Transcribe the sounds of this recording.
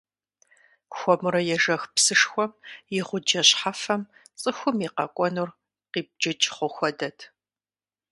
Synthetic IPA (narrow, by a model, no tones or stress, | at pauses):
xʷɔmɨɾɐjɛʒɐxpsɨʂxʷɔmjɪʁʷʊd͡ʒɐɕħafɐm | t͡sʼɨxʷʊmiqɐkʷʼɔnur | qiːp̚d͡ʒɐt͡ʃʼχʷʊxʷɔdɐtʰ